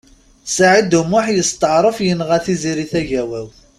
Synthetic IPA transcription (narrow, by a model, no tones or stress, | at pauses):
saʕid̪umːʊħjəst̪əʕɾˤəfjənʁæθiziɾiθæʝæwæw